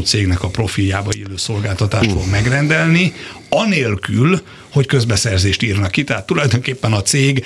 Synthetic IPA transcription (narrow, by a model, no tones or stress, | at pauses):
t̪seːɡnɛkɒpro̞filjaːbɒeːløːso̞lɡaːlt̪ɒt̪aːʃt̪fo̞ɡmɛɡrɛnd̪ɛlni | ɒneːlkyl | ho̞ckø̞zbɛsɛrzeːʃt̪iːrnɒkːit̪ɛɦaːt̪ːulɒjd̪oːŋkeːpːɛnɒt̪seːɡ